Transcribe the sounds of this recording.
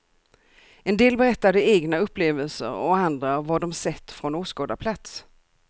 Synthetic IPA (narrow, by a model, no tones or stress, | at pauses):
ɛnd̪eːlbɛɾɛt̪ːad̪əeːɡnaɵpːleːvəlsə̰ɾɔ̰and̪ɾavaɖɔmsɛt̪ːfɾɔnuːskɑːd̪apʰlat̪s